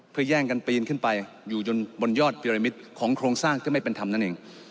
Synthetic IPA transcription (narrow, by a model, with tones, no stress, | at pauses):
pʰɯ˧əjɛː˥˩ŋka˧npiː˧nkʰɯ˥˩npa˧j | juː˨˩t͡ɕo˧nbo˧njɔː˥˩t̪̚pʰi˧ɾa˧mi˦˥t̪̚kʰɔː˩˦ŋkʰɾoː˧ŋsaː˥˩ŋt̪ʰɯː˥˩ma˥˩jpe˧nt̪ʰa˧mna˥˩nʔeː˧ŋ